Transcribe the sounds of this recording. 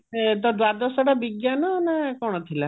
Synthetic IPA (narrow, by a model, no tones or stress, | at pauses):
t̪̬ɔd̪wad̪ɔsɔʈabiɡjanɔnakɔɽ̃ɔt̪ʰila